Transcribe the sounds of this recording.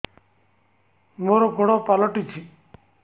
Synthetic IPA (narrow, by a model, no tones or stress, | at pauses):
moːɾoɡʱoɽopaloʈit͡ʃʰi